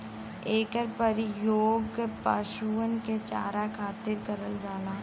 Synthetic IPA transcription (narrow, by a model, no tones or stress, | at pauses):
eːkəɾpəɾjoːɡpa̰ːʃuːənket͡ʃa̰ːɾakʰaːt̪ɪɾkəɾəld͡ʒaːlaː